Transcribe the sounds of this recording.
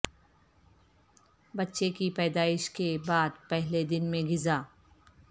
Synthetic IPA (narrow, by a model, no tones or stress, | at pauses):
bɐtːʃekipɛːd̪aːɪʃkebaːd̪pɛɦled̪ɪnmẽɡɪzaː